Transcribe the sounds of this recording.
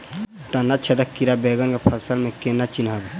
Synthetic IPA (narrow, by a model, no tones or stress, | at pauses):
ʈanːat͡ʃʰɐd̪əkiɾabeːɡənkapʰɐsəlmẽkenat͡ʃinɦab